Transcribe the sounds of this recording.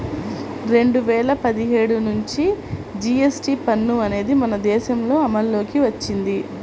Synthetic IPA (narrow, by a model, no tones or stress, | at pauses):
ɾe̞ɳɖuʋɛːɭɐpɐd̪iɦeːɽunuɲt͡ʃid͡ʒiesʈipɐnːuɐne̞ːd̪imɐnɐd̪ɛːʃɐmlo̞ːɐmɐlːo̞ːkiʋɐt͡ʃːind̪i